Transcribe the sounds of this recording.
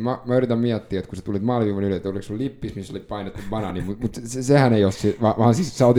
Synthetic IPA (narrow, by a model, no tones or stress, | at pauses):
mɑmɑyrˑit̪ɑmmiæt̪ːiːet̪kuset̪ulit̪mɑːliʋiːʋonyløet̪ːoliksullipːismisːolippɑinet̪ːuʋʋɑnɑnimut̪mut̪ssehæneiossiʋɑːʋɑːnsiːssɑot̪i